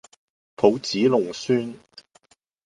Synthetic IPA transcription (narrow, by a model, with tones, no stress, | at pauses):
pʰo˨˧wt͡siː˨˥lʊ˨˩ŋsyː˥n